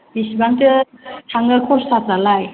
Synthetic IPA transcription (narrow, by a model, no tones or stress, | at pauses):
bisibaŋtɯtʰaŋɯkʰɔssazalaj